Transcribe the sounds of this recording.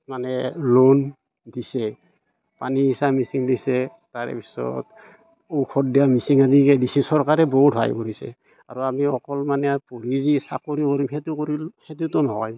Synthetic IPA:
manɛlon | disɛ | paniːsamisiŋdisɛ | taɹɛ̰pi̥sɔ̰t | owkʰɔt̚dijamisiŋadikɛdisisɔɹkaɹɛboɦutba̰jkoɹisɛ̰ | a̰ɹuamiɔkɔlmanɛpoɹizisa̰koɹikoɹimɦɛtukoɹihet̬utɔnɔɦɔj

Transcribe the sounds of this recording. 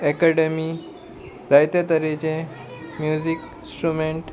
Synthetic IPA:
ɛkeɖemi | d̪ajt̪jat̪əɾet͡ɕẽ | mjud͡ʑik | sʈɾumeɳʈ

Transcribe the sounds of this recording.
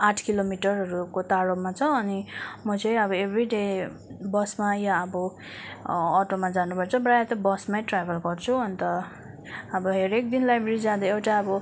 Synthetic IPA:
aʈʰkilomiʈʌrɦʌɾukot̪aɽomat͡sʰʌ̃ʌnimʌt͡sʌ̃j̃ʌbʌebʱriɖebʌsmajaʌbʌ | ʌʈomad͡zanupʌt͡sʰʌbrajat̪ʌbʌsmaj̃ʈrabʱelɡʌrt͡sʰuʌnt̪ʌ | ʌbʌɦeɾek̚d̪inlajbreɾid͡zad̪ʌewʈaʌbʌ

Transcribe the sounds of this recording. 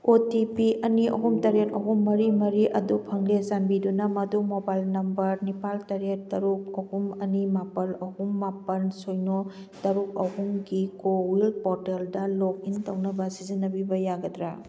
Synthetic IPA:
otipiʔɐniɐ̰ɦumtɐɾetɐɦumːɐɾimɐɾiʔɐdupʰɐŋlezanbidunɐmɐdumobajlnɐmbɐɾnipaltɐɾet̚tɐɾukɐhumɐnimapɐlɐhumːapɐnsojno | tɐɾuk̚ɐɦuŋɡikowilpoɾteldɐlok̚iŋtɐwnɐbɐsizinːɐbibɐjaɡɐdɾa

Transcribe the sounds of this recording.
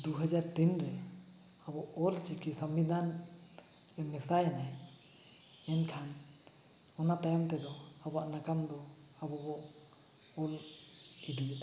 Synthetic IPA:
d̪uɦad͡ʒaɾt̪inɾɛ | abɔʔɔlt͡ʃikisəmbid̪an | ɛmɛsajanaj | ɛnkʰan | ɔnat̪ajɔmt̪ɛd̪ɔ | abaʔnakamd̪ɔ | abɔbɔʔ | ɔl | id̪iɛa

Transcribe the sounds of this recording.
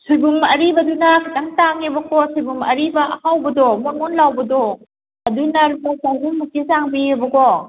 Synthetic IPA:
subumɐɾibɐdunɐkʰitɐmtaŋebɐkosujbumɐ̰ɾibɐʔɐhawbɐdomonmɔnlawbɐdo | ɐdunɐlumasawbumːukizaŋbiebɐko

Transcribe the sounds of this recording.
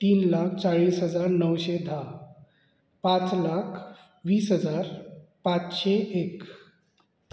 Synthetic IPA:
t̪iːnlak̚ʰt͡saɭiːsɦəd͡zaɾnəwɕed̪ʱa | pat͡slakʰ | ʋiːsɦəd͡zaɾpat͡sɕeʔek

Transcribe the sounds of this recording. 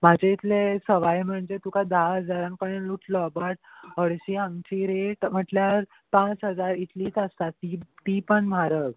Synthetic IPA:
mad͡ʑeit̪lesəʋajm̤əɳd͡zet̪ukad̪aɦəd͡zaɾãŋk̚pəɳenluʈʰlɔbəʈ̚ɦəɽɕiãŋt͡ɕiɾeʈm̤əʈljaɾ | pãt͡sɦəd͡zaɾit̪liːsəst̪at̪it̪ipəɳmaɾək

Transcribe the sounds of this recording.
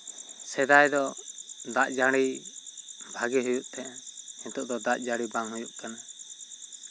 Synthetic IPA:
sɛd̪ajd̪ɔd̪aʔd͡ʒaɽi | bʱaɡɛɦujuʔt̪ʰɛʔɛhɛ̃t̪ɔʔd̪ɔd̪aʔd͡ʒaɽibaŋhujuʔkana

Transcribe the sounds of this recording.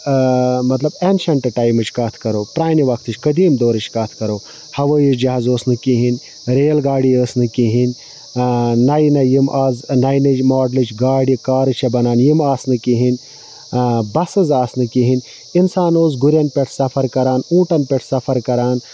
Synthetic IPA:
mɐt̪lɐbenʃɐɳʈɨʈaːjmɨt͡ʃʰkaːt̪ʰkɐɾoːpɾaːniʋɐkʰt̪ʰɨt͡ʃʲkɐd̪iːmd̪oːɾɨt͡ʃʰkɐːt̪ʰkɐɾoː | hɐʋəːjit͡ʃd͡ʒɐɦazoːsnɨkiɦinʲ | ɾeːlɡaːɽiəːsnɨkiɦin | nɐjnɐjimʔaːznɐjnɨt͡ʃmaːɖlɨt͡ʃɡaːɽikaːɾɨt͡ʃʰɐbɐnaːnjimaːsnɨkiɦin | bɐsɨzaːsnɨkiɦinʲ | insaːnoːzɡuɾjɐnpʲeʈʰsɐfʰɐɾkɐɾaːnũːʈɐnpʲeʈʰsɐfʰɐɾkɐɾaːn

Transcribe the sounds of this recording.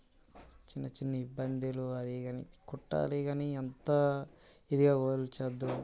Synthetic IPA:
t͡ʃinːɐt͡ʃinːɐibːɐnd̪iluɐd̪iɡɐnikuʈːa̰ːliɡaniɐnt̪ɐ | id̪iɡaːɡoːɾlt͡ʃɐd̪ːu

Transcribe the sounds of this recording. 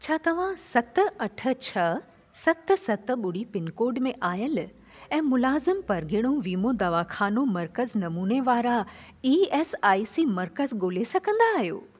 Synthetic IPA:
t͡ɕʰaːt̪ɐʋ̤ãsɐt̪̆ɐʈʰə̆t͡ɕʰɐ | sɐt̪̆sɐt̪ɓʊɽipɪnkoːɾɖmẽʔaːjəl | ɛ̃ːmʊlaːzɪmpɐɾɡʱɪɽ̃oʋiːmod̪ɐʋaxʰaːnomɐɾkəznɐmuːneʋaːɾa | iːɛːsaːisimɐɾkəzɡoːlesɐɡʱə̃nd̪aːɦijo̰ː

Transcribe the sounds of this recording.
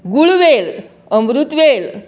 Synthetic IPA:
ɡuɭʋel | əmɾut̪ʋel

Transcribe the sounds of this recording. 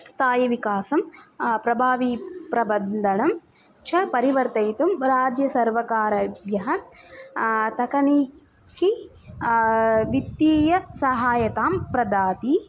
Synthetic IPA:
st̪ʰaːjɐʋikaːsɐmpɾɐbʱaːʋipɾɐbɐnd̪ʱɐɳɐm | t͡ʃʰɐpɐɾiʋɐɾt̪ɐjt̪umɾaːd͡ʒjɐsɐɾʋɐkaːɾɐʋjɐɦɐ̆ | t̪ɐkɐniː | ki | ʋit̪jiːjɐsɐɦaːjɐt̪aːmpɾɐd̪aːt̪i

